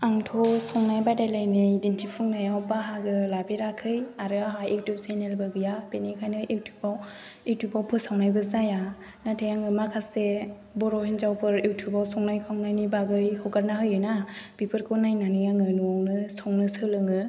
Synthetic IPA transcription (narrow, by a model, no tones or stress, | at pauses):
aŋtʰɔsɔŋnajbajdajlajnɯdintʰipʰɯŋnajawbaɦaɡɯlabeɾakʰɯjaɾɯaɦajiwtʰupsenelbɯɡɯjabenikʰajnɯʔewtʰu̥baw | ewtʰubawpʰɯsawnajbɯzaja | natʰejaŋɯmakʰase | bɔɾɔhinzawpʰɯɾewtʰubawsɔŋnajkʰawnajnibaɡɯjhɔɡaɾnahɯjɯnab̥ipʰɯɾkʰɔnajnanɯjaŋɯnuawnɯsɔŋnɯsɯlɯŋɯ